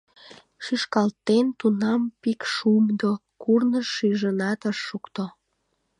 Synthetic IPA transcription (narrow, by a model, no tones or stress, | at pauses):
ʃyʃkɑlt̪ːent̪unɑmpikʃumd̪o | kurnəʃːyʒənɑt̪əʃːukt̪o